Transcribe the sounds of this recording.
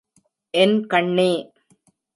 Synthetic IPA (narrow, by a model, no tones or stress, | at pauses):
ʔɛnkɐɳːeː